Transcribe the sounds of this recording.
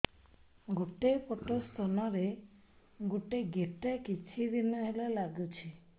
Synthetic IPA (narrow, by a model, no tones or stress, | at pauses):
ɡoʈepɔʈost̪ʰɔnɔɾe | ɡoʈeɡeʈakit͡ʃʰid̪inɔɦelalaɡut͡ʃʰi